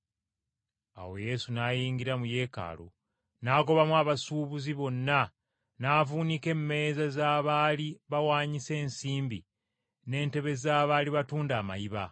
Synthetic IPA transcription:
a̰we̞̰je̞sunaːjiːŋɡiɾamuje̞ːka̰ːlo̰ | naːko̞βamwaːβasuːβuziβo̞nːa | naːvuːnike̞mːe̞zazaːβaːliβawaːɲise̞ːnsiːmbi | ne̞ːnte̞βe̞zaːβaliβatuːndaːma̰jiβa̰

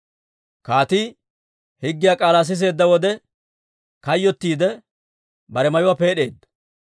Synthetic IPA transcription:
kaːt̪i | hɪɡːɪjaːkʼaːlaːs̬ɪs̬e̞ːd̪ːɐwɔd̪ɛ | kɐjːɔt̪ːiːd̪ɛ | bɐɾɛmɐjʊwape̞ːɗeːd̪ːɐ̥

